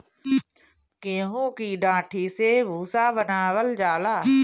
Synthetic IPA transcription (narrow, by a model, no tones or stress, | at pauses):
keːmõkiɖãːʈʰisebʱuːsabənaːwəld͡ʒaːlaː